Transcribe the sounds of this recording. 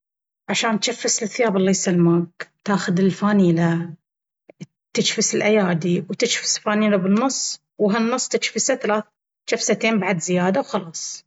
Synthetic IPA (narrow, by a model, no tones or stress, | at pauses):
ʕaʃaːnt̪ʃafːɪsɪlθːɪjaːbɪlːajsalmaːɡt̪aːxʊðɪlfaːniːla | t̪ɪt͡ʃfɪsɪlʔajaːd̪iwt̪ɪt͡ʃfɪ̥sfaːniːlabɪnːʊsˤː | wɦanːʊsˤːt̪ɪt͡ʃfɪsaθalaːθ | t͡ʃafsat̪eːmbaʕd̪zɪjaːd̪awxɑlɑːsˤ